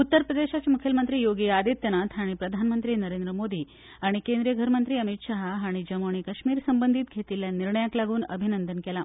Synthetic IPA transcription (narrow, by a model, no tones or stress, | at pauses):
ut̪ːəɾpɾəd̪eɕat͡ɕamukʰjəlmənt̪ɾiːjoɡiad̪it̪jənat̪ʰaɽ̃ipɾəd̪ʱanmənt̪ɾiːnəɾend̪ɾəmod̪ʱiː | aɽ̃ikend̪ɾijəɡʱəɾmənt̪ɾiːəmit̪ɕaɦɦaɽ̃id͡ʑəmoɳ̃ikəɕmiːɾsəmbənd̪ʱiːt̪̚ɡʱet̪iljaniɾɳəjaklaɡuːnə̰bʱinənd̪ənkɛla